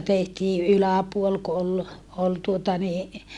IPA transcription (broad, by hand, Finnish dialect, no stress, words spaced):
tehtiː ʔylæpuol ku ol ol tuotɑ ni